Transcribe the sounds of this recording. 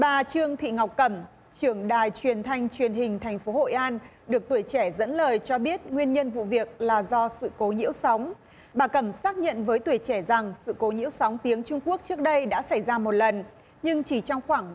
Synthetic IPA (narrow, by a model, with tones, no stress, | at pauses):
ɓaː˨˩t͡ɕɨ˧əŋt̪ʰḭ˧˨ŋa˨˩wk͡p̚kə˧˩m | t͡ɕɨ˧˩əŋɗaː˨˩jt͡ɕwi˨˩ənt̪ʰa˧jŋ̟t͡ɕwi˨˩ənɦï˨˩ŋ̟t̪ʰɛ˨˩jŋ̟fo˨˦ho̰˧˨jʔaː˧nɗɨ˨˩ək̚t̪wjt͡ɕɛ˧˩zə̰˧˥nləː˨˩jt͡ɕɔ˧ɓi˦˥ət̚ŋwi˧ənɲə˧nvṵ˧˨vi˨˩ək̚laː˨˩zɔ˧sɨ̰˧˨ko˨˦ɲḭ˧˥əwsa˨˦wŋ͡m | ɓaː˨˩kə˧˩msaː˦˥k̚ɲə̰˧˨nvəː˨˦jt̪wi˧˩ət͡ɕɛ˧˩za˨˩ŋsɨ̰˧˨ko˨˦ɲḭ˧˥əwsa˨˦wŋ͡mt̪i˨˦əŋt͡ɕʊ˧ŋ͡mku˦˥ək̚t͡ɕɨ˦˥ək̚ɗə˧jɗa̰ː˧˥sa˧˩jzaː˧mo˨˩t̚lə˨˩n | ɲɨ˧ŋt͡ɕi˧˩t͡ɕɔ˧wŋ͡mxwaː˧˩ŋ